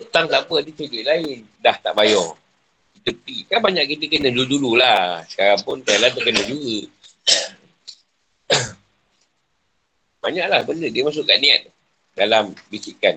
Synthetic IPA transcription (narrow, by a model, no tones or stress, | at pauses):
ət̪aŋt̪apəadit͡ʃəɡiʔlaɪn | daht̪aʔbajɔ | it̪əpikanbaɲaʔkit̪əkənədudululasə̥kaɾaŋpʊnk̪ajalad̪əkənəduɡu | baɲaʔlahbəndədiəmas̬ʊʔkaʔnia̰t̪̚ | dalambisikan